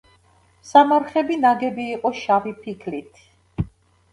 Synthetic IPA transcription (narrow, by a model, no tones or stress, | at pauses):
samaɾχɛbinaɡɛbiːqʼɔʃavipʰikʰlit̪ʰ